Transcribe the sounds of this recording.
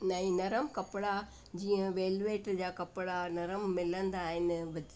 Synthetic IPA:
nɐĩnɐɾəmkɐpɪɽa | d͡ʑiːə̃ʋeːlʋeːʈd͡ʑaːkɐpɪɽanɐɾəmːɪlə̃nd̪aːɦɪnɪ̆ʋɐd͡ʑ

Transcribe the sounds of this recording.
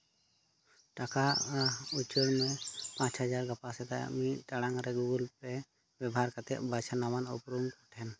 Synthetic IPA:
ʈakaut͡ʃəɽmɛpãt͡ʃɦəd͡ʒaɾɡapasɛt̪a̰miʈaɽaŋɾɛɡuɡulpɛ | bjɛbɦaɾkat̪ɛ̰ʔbat͡ʃʰanamanɔpɾumkɔʈʰɛn

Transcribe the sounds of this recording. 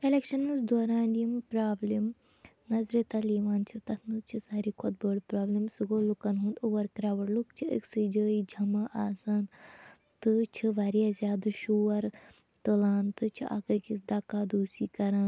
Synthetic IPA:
kɐlekʃɐnɨsd̪oːɾaːniimpɾaːblim | nɐzɾit̪ɐliːʋaːnt͡ʃʰit̪ɐt̪ʰnɨzt͡ʃʰisaːɾikʰot̪̚bəːɽpɾaːblimsɨɡoːlukɐnɦũːnd̪uʋɐɾkɾaːʋɐɽlukt͡ʃʰiʔə̰ksɨd͡ʒəːid͡ʒʱɐmɐʔaːsaːn | t̪ɨt͡ʃʰiʋaːɾijazʲjaːd̪ɨʃuːʋɐɾ | t̪ɨlaːnt̪ɨt͡ʃʰiʔa̰kɐkisd̪aːkaːd̪uːsiːkɐɾãː

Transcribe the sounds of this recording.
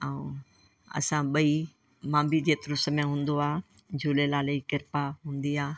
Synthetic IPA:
aũ | ɐ̰sãɓɐi | mãːmbid͡ʑeːt̪ʊɾʊsəmẽɦũːnd̪oaː | d͡ʑʱuːlelaːleikɪɾpaɦũːn̆d̪iaː

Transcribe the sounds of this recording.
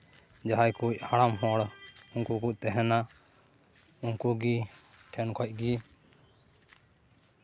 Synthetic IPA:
d͡ʒaɦajkuc̚aɽamɦɔɽuŋkukuʔ̚t̪ɛɦɛna | uŋkuɡi | ʈʰɛnkʰɔc̚ˀɡi

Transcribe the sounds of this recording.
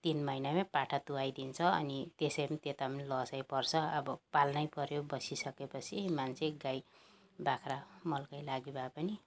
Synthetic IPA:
t̪inmʌjnamepaʈʰat̪uajd̪int͡sʰʌʌ̰nit̪esʌjpʌnit̪et̪apʌnilʌsajpʌrt͡sʰʌʌbʌpalnʌjpʌɾjobʌsisʌkepʌt͡sʰimant͡sʰeɡaj | bakʰramʌlkʌjlaɡibapʌni

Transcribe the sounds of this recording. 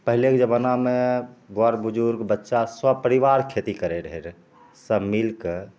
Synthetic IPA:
pəɦilekd͡ʒəbənameɡwaɾbud͡ʒuɾɡbətːʃaswəb̚pəɾiʋaɾkʰet̪ikəɾeɾəɦeɾ | səmilkə

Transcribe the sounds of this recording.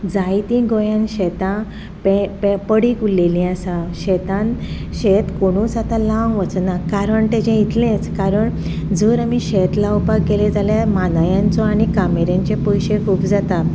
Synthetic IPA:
d͡zajt̪ĩɡõjãnɕɛt̪ã | peppəɽikulːelĩasaɕɛt̪ãnɕet̪koɽ̃ũːsat̪ãlaʋŋɡʋət͡snakaɾəɳʈ̪ed͡ʑẽit̪lẽt͡skaɾəɳ | d͡zəɾamiɕet̪laupakːeled͡zaljamanajãnt͡sɔaɽikameɾjãɲt͡ɕepojɕekʰuːpd͡zat̪a

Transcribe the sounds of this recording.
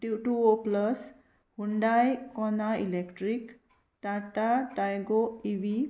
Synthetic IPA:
ʈjuʈuopləs | hunɖajkɔnaḭlekʈɾik | ʈaʈaʈajɡoibi

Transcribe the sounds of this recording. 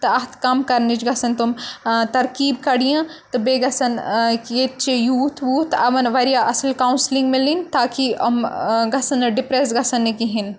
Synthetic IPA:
t̪ɐɐɦt̪kaːmkɐɾnit͡ʃɡɐsɐnt̪umt̪ɐɾkiːbkɐɽijãt̪ɨbeːɡɐsɐnket̪t͡ʃejuːt̪ʰʋuːt̪ʰɐʋɐnʋɐɾijaʔɐslkaunslĩŋɡmelint̪aːkiɐ̰mɡɐsɐnɐɖɪpɾesɡɐsɐnːekiɦin

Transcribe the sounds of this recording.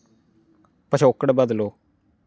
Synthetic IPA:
pəʃʰoːkəɽbəd̪loː

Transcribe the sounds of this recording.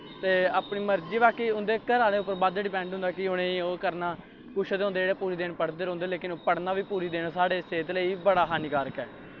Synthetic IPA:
t̪eːaːpɳiːməɾd͡ʒiːbaːkiːʊ̃nd̪eːkəɾãːneːʊpːəɾbaːd̪ɖɪpɛ̃ːɳɖɦʊ̃nd̪aːkɪʊnẽːoːkəɾnaː | kʊʃʰd̪eːõːnd̪eːeːɽeːpuːɾiːd̪eːnpəɽd̪eːɾõːnd̪eːleːkɪnoːpəɽnaːʋiːpuːɾiːd̪eːnaːsaːɽeːseːt̪ləiːbəɽaːɦaːniːkaːɾəkɛː

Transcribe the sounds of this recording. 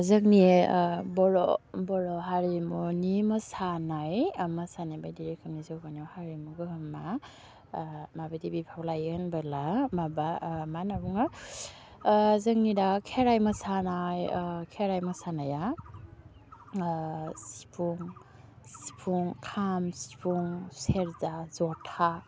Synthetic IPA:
zəŋnibɔɾɔbɔɾɔɦaɾimunimasanajmasanabajdiɾek̚ʰamnizowɡaniɔwhaɾimuɡɯɯmːa | mabadibipʰawlajɯnbɯlamabamanabuŋa | zɯŋnidakʰeɾajmɐsanajkʰeɾajmasanaja | si̥pʰuŋ | si̥pʰuŋkʰamsi̥pʰuŋseɾzazɔtʰa

